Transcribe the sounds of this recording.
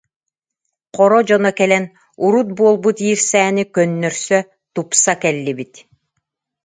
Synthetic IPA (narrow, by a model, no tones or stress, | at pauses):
qɔɾɔd͡ʑɔnɔkɛlɛn | uɾut̪̚buɔlˠbut̪iːɾsɛːnikœnːœɾsœ | t̪upsakɛlːibit̪